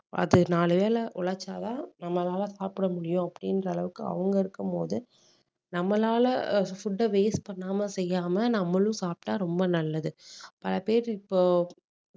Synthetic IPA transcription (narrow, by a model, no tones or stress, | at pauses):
ɐ̰ðɯnaːlɯʋeːlɐʔʊɭɐt͡ʃːaːt̪ãːnɐmːɐlaːlɐsaːpɪɽɐmʊɽɪjʊ̃ɐpːɐɽɪndɾɐːɭɐʋɯkːɯɐ̰ʋɐŋɡɐɪɾɯkːɯmpo̰ːðɯ | nɐmːɐlaːlɐfʊɖːɐʋeːspɐɳːaːmɐsɛjːaːmɐnɐmːɐɭʊ̃saːp̚ʈaːɾɔmbɐnɐlːɐðɯpɐlɐpeːɾɪpːoː